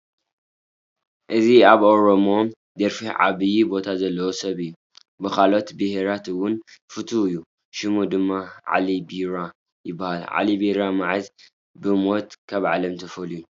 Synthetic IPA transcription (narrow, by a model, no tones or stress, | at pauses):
ʔɨziaβʔoɾomo̞d̪ɐɾfiʕa̰βɨjibo̞t̪ʰazɐlːɐwosɐβɨjːu | bɨkalo̞t̪bɨhɾat̪ɨwʊnfɨt̪ʰuɨjːu | ʃɨmud̪ɨmːaʕa̰libiɾa | jɪbːahalʕa̰libiɾamaʕaz | bɨmo̞t̪kʰaβʕalɐmt̪ʰɐfɐluju